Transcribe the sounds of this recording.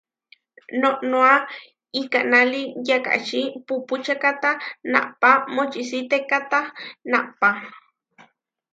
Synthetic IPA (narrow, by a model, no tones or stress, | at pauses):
noʔnoa | ikanalijaka̰ʔt͡ʃipuput͡ʃakat̪ana̰ʔpamot͡ʃiʔsit̪ekat̪anaʔpa